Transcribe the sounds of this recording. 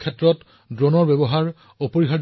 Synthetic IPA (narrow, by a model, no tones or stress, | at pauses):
kʰɛtːɹɔt | dɹonɔɹbɛbɔɦaɹ | opoɹiɦa